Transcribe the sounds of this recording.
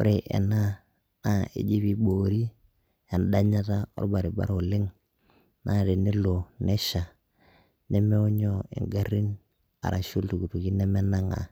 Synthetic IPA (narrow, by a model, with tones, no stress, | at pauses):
o̰˦ɾe˨ʔḛ˨na˦ | na˦ḛ˨d͡ʒi˦bi˦boː˨ɾi˦ | e˨nda˦ɲa˦ta˦ɔ̰˦ba˨ɾi˨ba̰˦ɾo˨lɪ˦ŋ | na˦˨ɾe˨ni˦lo˨nɛ˦ʃa˨ | nɛ˦me˦u˦ɲɔ˦ḛ˨ŋɡa˦ɾi˦n | a̰˨ɾa˨ʃu˦ltu˨ku˨tu˨ki˦nɛ˦mɛ˦na˦ŋa̰˨